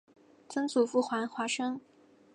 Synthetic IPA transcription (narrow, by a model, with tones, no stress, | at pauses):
t͡sɤ˥ŋt͡su˨˩fu˥˩xwa˧˥nxwa˧˥ʂɤ˥ŋ